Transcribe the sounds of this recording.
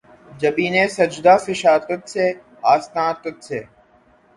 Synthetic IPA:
d͡ʒɐbiːnẽːsɐd͡ʒd̪aːfɪʃaːt̪ət̪seː | aːst̪ãːt̪ət̪seː

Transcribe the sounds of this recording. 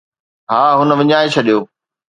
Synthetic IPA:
ɦaːɦʊnə̆ʋɪɲaːet͡ɕʰɐɗijoː

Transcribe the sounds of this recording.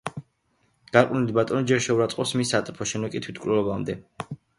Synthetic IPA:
ɡ̥aɾqʼnilibat̪ʼɔnid͡ʒɛɾʃɛuɾat̪sʼqʼɔsmisːat̪ʼɛpʰɔʃɛnɛkʼit̪ʰwit̪̚ʰkʼlɛlɔbamd̪ɛ

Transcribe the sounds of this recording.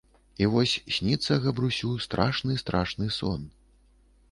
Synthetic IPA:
ivɔsʲsʲnʲit̪sɐɣɐbɾusʲust̪ɾʔa̰ʂnɨst̪ɾaʂnɨsɔ̰n

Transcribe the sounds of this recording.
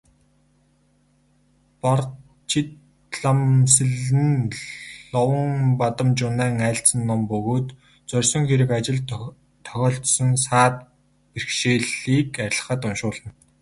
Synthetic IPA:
pɔr | t͡ɕʰit̪ | ɮamsɘ̆ɮɘ̆n | ɔwə̆ŋpat̪ə̆mt͡ɕʊnæːŋæːɬt͡sə̆nːɔmpɵɣoːt̪ | t͡sœrʲsɞ̆ŋxeɾɘ̆kat͡ɕɪ̆ɮ | t̪ʰːœ̥xʲɔːɬt̪sɞ̆nsaːt̪ | perxʃeːɮiːkaɾ̆ʲɮə̆χə̆t̪ʊnʃʊːɮə̆n

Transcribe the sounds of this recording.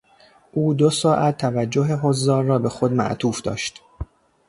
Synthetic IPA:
ʔuːd̪osɒːʔæt̪ʰːævæd͡ʒːoɦeɦozːɒːɾrɒːbe̞xo̞d̪mæ̰ʔt̪ʰuːfd̪ɒ̰ːʃt̪

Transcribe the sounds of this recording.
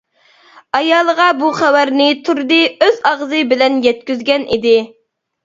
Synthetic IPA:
ɑjɑːlˠəʁɑbuχæwæɾnɪt̪ʰuɾd̪ɨøzɑʁzɨbɪlɛnjɛt̪̚kʲyzɡʲɛnʔid̪ɪ

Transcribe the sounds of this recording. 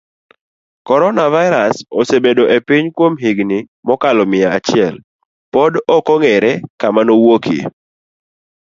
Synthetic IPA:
kɔɾɔnavaɪɾasɔsebedoʔepiɲkwomɦiɡnɪ | mɔkalɔmɪaat͡ʃɪɛl | pɔdɔkɔŋɛɾɛkamanowokḭ

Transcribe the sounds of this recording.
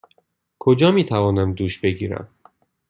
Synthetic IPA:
kʰod͡ʒɒːmiːt̪ʰævɒːnæmd̪uːʃbe̞ɡiːɾæ̰m

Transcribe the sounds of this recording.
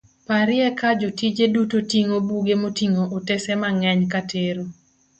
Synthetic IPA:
paɾɪɛkad͡ʒotid͡ʒedutotiŋobuɡemotiŋoʔotesɛmaŋɛɲkatʰeɾo

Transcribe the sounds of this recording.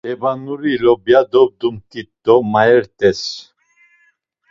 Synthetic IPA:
ɛbanuɾilɔbjad̪ɔb̚d̪umkit̪ːɔmaɛɾt̪ʼɛs

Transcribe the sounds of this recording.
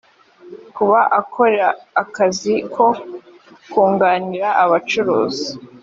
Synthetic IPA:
kuβaʔakʰo̞ɾeɾaːkazikʰo̞ | kuːŋɡaːniɾaʔaβat͡ʃuɾo̰ːzi

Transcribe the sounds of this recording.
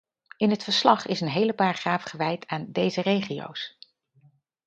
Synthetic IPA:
ɪnɦətfəɹslɑχɪsənɦejləpaːɹχraːfχəʋɛjtʰaːndejzərejχijo̰ws

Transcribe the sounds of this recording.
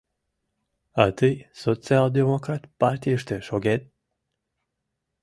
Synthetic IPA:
at̪ɨjsot͡siald̪emokɾat̪paɾt̪ʲiʃt̪eʃoɡet̪̚

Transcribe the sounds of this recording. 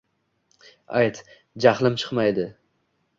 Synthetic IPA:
ajt̪ | d͡ʒaχlˠɪmt͡ʃʰɨ̥qmajd̪ɪ

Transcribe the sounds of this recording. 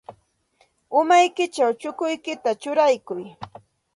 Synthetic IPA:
ʊmajkɪt͡ʃawt͡ʃʊkʊjkɪt̪at͡ʃʊɾajkʊj

